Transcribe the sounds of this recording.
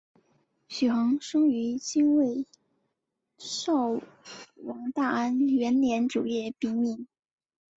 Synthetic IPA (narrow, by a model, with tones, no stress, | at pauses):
ɕy˨˩xɤ˧˥ŋʂʊ˥ŋy˧˥t͡ɕi˥nwe˥˩ɪ | ʂɑ˥˩ʊ | wɑ˨˩ŋt̪a˥˩a˥nɥɛ˧˥nljɛ˧˥nʈ͡ʂu˨˩jɛ˥˩pi˧˥mi˥˩n